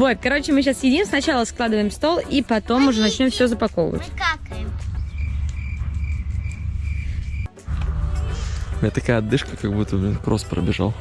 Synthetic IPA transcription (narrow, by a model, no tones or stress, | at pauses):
vo̞t̪̚kɐɾo̞t͡ɕɪmɨɕ̬asjɪdʲimsnɐt͡ɕalˠəsklˠad̪ɨvəjɪmst̪o̞lˠipɐt̪o̞mʊʐɛnɐt͡ɕnʲo̞mfsʲozəpɐkovə̰və̰tʲkak̪ | mʲet̪ɐkajəɐd̪ːɨʂkəkɐɡbut̪ːəbkɾospɾə̰bʲɪʐa̰lˠ